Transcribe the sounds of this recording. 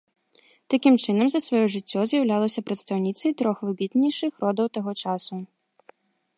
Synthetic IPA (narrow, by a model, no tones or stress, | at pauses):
t̪akʲimt͡ʂɨnɐmzɐsvajɔʐɨt͡sʲːɔzʲjɐwlʲalˠɐsʲɐpɾɐt̪st̪awnʲit̪sɐjt̪ɾɔxvɨbʲit̪nʲiʂɨxrɔd̪ɐwt̪aɣɔt͡ʂasu